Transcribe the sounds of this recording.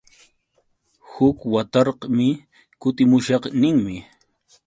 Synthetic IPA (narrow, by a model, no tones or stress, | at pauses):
hʊkwat̪ɑɾqmɪ | kʊt̪ɪmʊʃɑqnɪŋmɪ